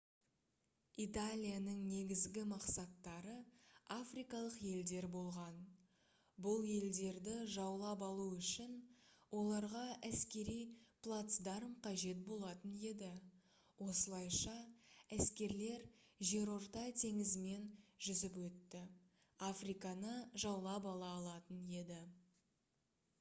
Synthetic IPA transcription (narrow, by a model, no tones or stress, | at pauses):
it̪alʲijanəɴne̞ɡʲɪzɡʲɪmɑqsɑt̪ːɑɾəafrijkɑlˠəqje̞ld̪e̞ɾbo̞lˠʁɑn | bʊlˠje̞ld̪e̞ɾd̪ɪʒɑwlˠɑpɑlˠuʏʃɪnwʔo̞lˠɑɾʁɑʔæskʲe̞ɾijplˠat̪sd̪ɑɾəmqʰɑʒe̞t̪̚bo̞lˠɑt̪əne̞d̪ɪ | wo̞səlˠɑjʃɑæskʲe̞ɾle̞ɾʒe̞ɾo̞ɾt̪ɑt̪ʰe̞ŋɪzɪme̞nʒʏzɪp̬wɵt̪ːɪ | afrijkɑnəʒɑwlˠɑpɑlˠɑːlˠɑt̪əne̞d̪ɪ